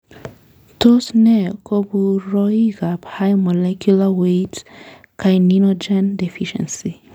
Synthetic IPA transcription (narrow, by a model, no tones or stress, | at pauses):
tosnɛkobuɾɔiɡaphajmɔlɛkjulawet | kajninod͡ʒɛ̃ndefiʃɛ̰̃nsi